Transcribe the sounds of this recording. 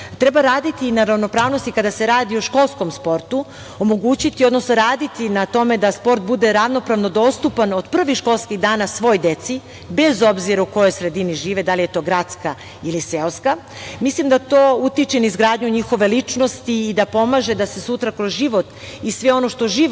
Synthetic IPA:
t̪ɾe̞baɾaːd̪it̪inaɾavno̞pɾaːʋno̞st̪ikad̪ase̞ɾaːd̪ioʃko̞lˠsko̞mspo̞ɾt̪u | omo̞ɡut͡ɕit̪io̞d̪no̞snoɾaːd̪it̪inat̪o̞me̞d̪aspo̞ɾt̪̚bud̪e̞ɾaʋno̞pɾaʋno̞d̪o̞st̪upano̞d̪pr̩ʋixʃko̞lˠskiɣd̪aːnasʋo̞jd̪e̞t̪si | be̞zo̞bziɾauko̞jo̞jsɾe̞d̪iniʒiːʋed̪alije̞t̪o̞ːɡɾat̪ska | ilise̞lska | mislimd̪at̪oːut̪it͡ʃenaizɡɾaːd̪ɲuɲixo̞ʋe̞lit͡ʃno̞st̪iːd̪apo̞maʒe̞d̪ase̞sut̪ɾakɾozʒiʋo̞t̪ | isʋe̞o̞no̞ʃt̪o̞ʒiː

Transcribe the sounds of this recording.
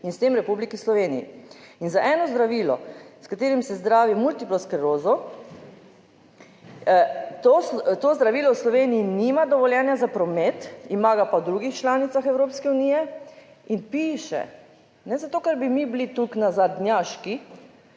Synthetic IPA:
inst̪eːmɾɛpublikislɔʋeːnḭjḭinzaʔɛnɔzd̪ɾaʋiːlɔ̰skat̪eːɾimsɛzd̪ɾaːʋimult̪iplɔskɾɛɾoːzɔ | t̪ot̪ozd̪ɾaʋiːlɔwslɔʋeːnijinimad̪ɔʋɔljɛːnjazapɾɔmet̪imaːɡapawd̪ɾuɡixt͡ʃlaːnit̪saxɛwɾoːpskɛuniːjɛ | inpiːʃɛ̰ | nɛzat̪oːkaɾbimiblit̪uknazad̪njaʃki

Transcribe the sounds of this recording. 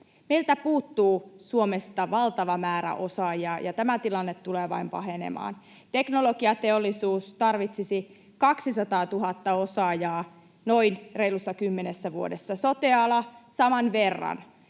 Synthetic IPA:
meilt̪æpuːt̪ːuːsuomest̪ɑʋɑlt̪ɑʋɑmæːɾæ̰ʔo̞sɑːjɑjʔɑt̪æmæt̪ilɑnːet̪ːuleːʋɑ̰impɑ̰ɦenḛmɑ̰ːn | t̪e̞knoloɡiɑt̪eolːisuːst̪ɑrʋit̪sisi | kɑksisɑt̪ɑːt̪uɦɑt̪ːɑo̞sɑːjɑː | no̞inreilusːɑkymːenesːæʋuo̞̰desːɑsot̪eɑlɑsɑmɑnʋerːɑ̰n

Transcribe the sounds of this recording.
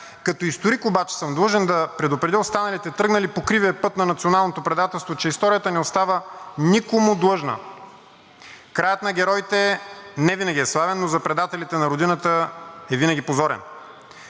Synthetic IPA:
kɐt̪oist̪oɾikobat͡ʃɛ̥sɤmd̪lˠɤʒɛnd̪ɐpɾɛd̪ʊpɾɛd̪ʲiost̪anɐlit̪ɛt̪ɾɤɡnɐlipokɾiviɛpɤt̪nɐnɐt̪sionalˠnot̪opɾɛd̪at̪ɛlˠst̪vot͡ʃɛist̪ɔɾijət̪ənɛost̪avənikomʊd̪lˠɤʒnə̰ | kɾajət̪nɐɡʲɛɾɔjt̪ɛnɛvinɐɡʲiɛslˠavɛnːozɐpɾɛd̪at̪ɛlit̪ɛnɐɾod̪inət̪əɛvinɐɡʲipozɔɾɛ̰n

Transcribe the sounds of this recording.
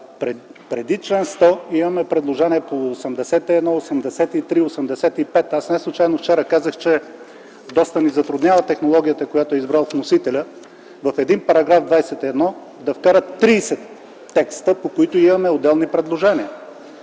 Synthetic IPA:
ɾɛpɾɛd̪it͡ʃlɛnst̪ɔimɐmɛpɾɛd̪lˠoʒɛniɛpoːsɛmd̪ɛsɛt̪iɛd̪nɔosɛmd̪ɛsɛt̪it̪ɾiosɛmd̪ɛsɛt̪ipɛt̪asnɛslˠʊt͡ʃajnoft͡ʃɛɾəkazəxt͡ʃɛ | d̪ɔst̪ənizɐt̪ɾʊd̪nʲjavət̪ɛxnolˠɔɡʲijət̪əkojat̪ʊɛizbɾalˠfnosit̪ɛlʲə | vɐfɛd̪inpɐɾɐɡɾavd̪vajsɛt̪iɛd̪nɔ | d̪ɐfkaɾət̪ːɾiːsɛt̪ː | ɛkst̪əpokoit̪ʊimɐmɛod̪ːɛlˠnipɾɛd̪lˠoʒɛniə

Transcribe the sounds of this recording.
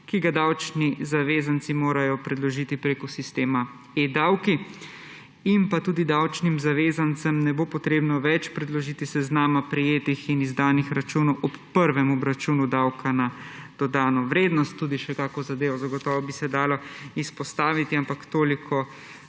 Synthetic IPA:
kiɡad̪awt͡ʃnizaʋeːzant̪simoːɾajɔpɾɛd̪lɔʒit̪ipɾeːkɔsist̪eːma | ed̪awki | impat̪uːd̪id̪awt͡ʃnimzaʋeːzant̪səmnɛboːpɔt̪ɾeːbnɔʋɛt͡ʃpɾɛd̪lɔʒiːt̪isɛznaːmapɾɛjeːt̪ixinizd̪aːnixɾat͡ʃuːnɔʔɔpːəɾʋɛmɔbɾat͡ʃuːnud̪awkʰanad̪̥ɔd̪aːnɔʋɾeːd̪nɔst̪ːuːd̪iʃɛkaːkɔzad̪eːʋɔzaɡɔt̪ɔːʋɔbisɛd̪aːlɔispɔst̪aːʋit̪iampakt̪oːlikʰɔ

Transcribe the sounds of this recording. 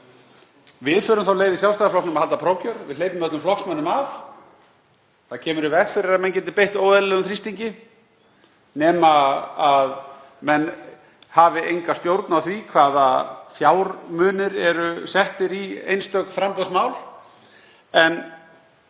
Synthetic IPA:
vɪðfʏːɾʏmθawleːjðɪsjawst̪ajðaflɔknɛmahalt̪apʰɾowcœɾvɪðleːjt̪ʏmœt̪lʏmflɔhksmœnʏmaf | θacʰɛːmʏɾɪvɛɣfɪɾɪɾamɛncɛnt̪ɪpejht̪oːwðɛðlɛɣʏmθɾist̪iɲcɪ | nɛːmaað | mɛn | haːvɪʔejŋkast̪jowɾt̪nawθvikʰvaːðafjaːwɾmʏːnɪɾɛɾʏsɛht̪ɪɾiḛjnst̪œkfɾampœsmaːwl | ɛn

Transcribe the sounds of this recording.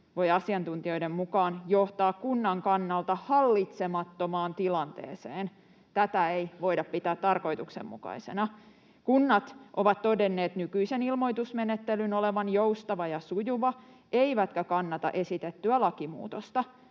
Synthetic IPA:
ʋo̞jɑsiɑnt̪unt̪iojdemmukɑːnjoht̪ɑːkkunːɑŋkɑnːɑlt̪ɑhɑlːit̪semɑt̪ːomɑːnt̪ilɑnt̪ḛːseːn | t̪æt̪æejʋo̞idɑppit̪æːt̪t̪ɑrko̞jt̪uksḛmmṵkɑ̰ise̞nɑ | kunːɑt̪ʔoʋɑt̪t̪odenːeːt̪nykyisenilmo̞jt̪usmenet̪ːelynoleʋɑnjowst̪ɑʋɑjɑsujuʋɑ | ʔeiʋæt̪kækɑnːɑt̪ɑ̰ʔesit̪et̪ːyælɑkimṵːt̪ost̪ɑ

